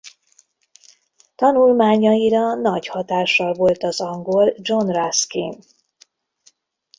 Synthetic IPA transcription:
t̪ɒnulmaːɲɒjiɾɒnɒɟhɒt̪aːʃːɒlvo̞lt̪ɒzɒŋɡo̞ld͡ʒo̞nraskin

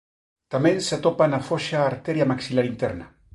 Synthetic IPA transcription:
t̪amenseat̪opanafoʃaːɾt̪eɾiamaksilaɾint̪eɾna

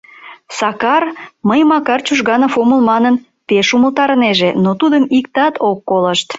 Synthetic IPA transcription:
sɑkɑrməjmɑkɑrt͡ɕuʒɣɑnɑfoməlmɑnən | peʃuməlt̪ɑɾəneʒenot̪ud̪əmikt̪ɑt̪okːoləʃt̪

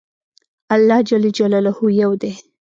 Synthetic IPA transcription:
alːɑd͡ʒalad͡ʒalalahujawd̪e

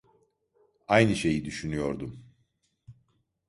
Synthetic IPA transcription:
ajnɯʃe̞jid̪yʃynyjo̞ɾd̪um

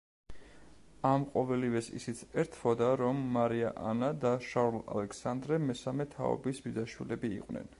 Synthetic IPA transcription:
amqʼɔvɛlivɛsḭsit̪sʰɛɾt̪ʰfʰɔd̪aɾɔmːaɾiaʔa̰nad̪aʃaɾula̰lɛkʰsand̪ɾɛmɛsamɛt̪ʰa̰ɔ̰bisbid̪aʃwḭlɛbḭːqʼwnɛ̰n

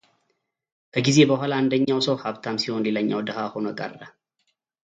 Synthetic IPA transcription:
kɐɡɪzeːbɐɦɐlaːnd̪ɐɲːaɔsohɐbt̪amsɪonlɪlɐɲːa̰wɔd̪ɐɦaːhɔnɐɡʼɐ̰rːɐ

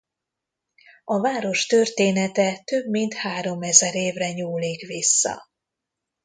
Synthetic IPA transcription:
ɒvaːɾo̞ʃt̪ø̞rt̪eːnɛt̪ɛt̪øbmint̪haːɾo̞mɛzɛɾeːvrɛɲuːliːkʋisːɒ̰

